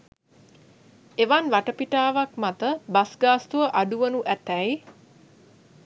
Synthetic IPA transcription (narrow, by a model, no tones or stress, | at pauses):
eʋanʋaʈəpiʈaːʋakmat̪əbasɡaːst̪uʋəʔaɖuʋənuʔæt̪ɛj